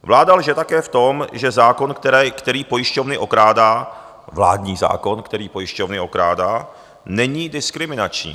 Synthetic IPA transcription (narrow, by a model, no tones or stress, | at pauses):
vlaːdalʒɛt̪akɛːft̪o̞mʒɛzaːko̞nkt̪ɛɾɛkt̪ɛɾiːpo̞jɪʃco̞vnɪʔo̞kɾaːdaː | vla̰ːdɲiːza̰ːko̞nkt̪ɛɾiːpo̞jɪʃcovnɪʔo̞kɾaːdaː | nɛɲiːdɪskɾɪmɪnat͡ʃɲḭː